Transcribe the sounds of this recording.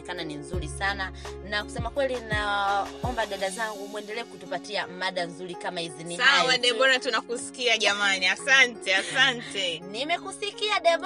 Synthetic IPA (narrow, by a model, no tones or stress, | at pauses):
ɛkananinzuɾisananaku̥sɛmakwɛlinaɔmbaɗaɗazaŋɡumwɛndɛlɛːɛkutupatiamaɗanzuɾikamahizinisawaɗɛɓɔɾatunakusi̥kiaʄamaniasantɛasantɛnimɛkusikiaɗɛɓ